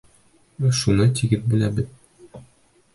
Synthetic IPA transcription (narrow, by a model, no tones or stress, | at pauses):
ʃunɤt̪iɡɘðbɘ̆læbɘð